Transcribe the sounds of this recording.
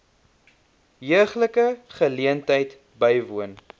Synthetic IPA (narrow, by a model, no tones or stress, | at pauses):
jəəχləkəχəliəntəjt | bəjvuən